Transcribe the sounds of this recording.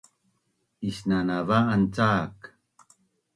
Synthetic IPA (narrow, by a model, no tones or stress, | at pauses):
isnanavaːnt͡saːk